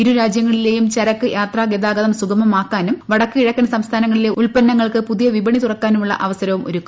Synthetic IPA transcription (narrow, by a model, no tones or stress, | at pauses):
iɾuɾaːd͡ʑjɐŋːɐɭile̞ːjumt͡ɕɐɾɐkːɨjaːt̪raːɡed̪aːɡɐðɐmsuɡʱɐmɐmaːkːaːnumʋɐɽɐkːɨiɻɐkːɐnɐsɐmst̪ʰaːnɐŋːɐɭileuɭpɐnːɐŋːɐɭkɨpuðijɐʋibɐɳit̪urɐkːaːnumuɭːɐ̰ʔɐʋɐsɐɾɐʋumo̰ɾukːu̥m